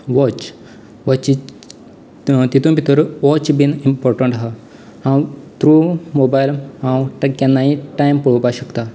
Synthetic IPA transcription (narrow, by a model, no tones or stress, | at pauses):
ʋɔt͡ʃ | ʋɔt͡ʃi | t̪it̪ũbit̪əɾʋɔt͡ʃbinimpɔːɾʈə̃ɳʈɦa | hãwt̪ɾumobajlhãwʈkɛ̃nːaĩʈajmpəɭupaɕəkt̪a